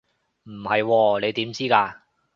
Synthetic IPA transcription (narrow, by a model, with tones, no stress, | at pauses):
m̩˨˩hɐ˨jwɔː˧ne˨˧jt̪iː˨˥mt͡siː˥kaː˧